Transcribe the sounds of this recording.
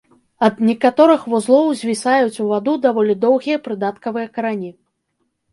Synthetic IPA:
ɐd̪nʲɛkat̪ɔɾɨxvuzlˠɔwzʲvʲisajut͡sʲuvad̪ud̪avɔlʲid̪ɔwɣʲijɐpɾɨd̪at̪kɐvɨjɐkɐɾanʲi

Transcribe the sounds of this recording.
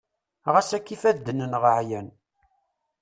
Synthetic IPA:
ʁæsækːifæðd̪ənənʁəʕjæn

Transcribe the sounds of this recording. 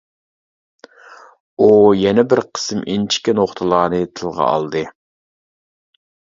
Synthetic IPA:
ujɛnɛbɪɾqʰə̥sɨmʔint͡ʃʰi̥kʲinoχt̪ʰɨlˠɑːnɨt̪ʰɨlˠʁɑ̰ɑ̰lˠd̪ɨ

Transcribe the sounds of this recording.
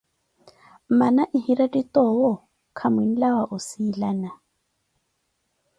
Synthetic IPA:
manaʔɪhiɾadit̪ʼɔwɔ | kʰamwin̩lawaʔʊsiːlaːna

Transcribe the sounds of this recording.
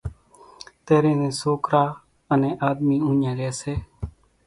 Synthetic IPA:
t̪eːɾẽːnẽːsoːkɾaː | ənẽːʔaːd̪miːũːɲãːɾeːseː

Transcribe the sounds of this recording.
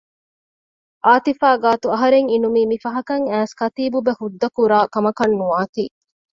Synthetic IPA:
ʔaːt̪ifaːɡaːt̪uɐɦɐɾeŋinumiːmifɐɦɐkɐŋæːskɐt̪iːbubehud̪ːɐkuɾaːkɐmɐkɐnːuaːt̪iː

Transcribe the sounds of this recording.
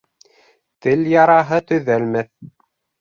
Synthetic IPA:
t̪ɘljɑɾɑɦɤt̪ɵ̆ðælmæθ

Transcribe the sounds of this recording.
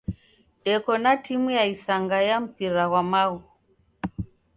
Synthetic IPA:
ɛkɔnatimujaisaŋɡajam̩piɾawamau

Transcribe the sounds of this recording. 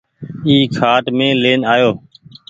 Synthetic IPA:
iːkʰaːʈmẽːleːnaːjoː

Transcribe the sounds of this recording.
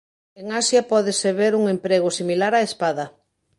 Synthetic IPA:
eŋasjapɔðeseβeɾuŋempɾeɣʊsimilaɾaespaðɐ

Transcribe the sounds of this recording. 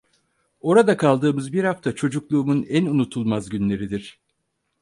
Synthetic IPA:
o̞ɾad̪akʰalˠd̪ɯːmɯzbiɾhaft̪ʰat͡ʃʰo̞d͡ʒuklˠuːmunænunut̪ʰulˠmazɟynlʲe̞ɾid̪iɾ̥

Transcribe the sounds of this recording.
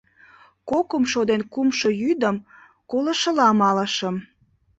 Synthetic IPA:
kokomʃod̪enkumʃojyd̪əm | kolə̆ʃə̆lɑmɑləʃəm

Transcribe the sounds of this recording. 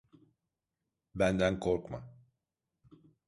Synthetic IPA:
bænd̪ænkʰoɾkma̰

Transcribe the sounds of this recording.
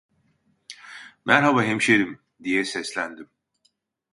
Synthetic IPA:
mʔæɾɦabaɦemʃed̪im | d̪ijɛsɛslʲænd̪im

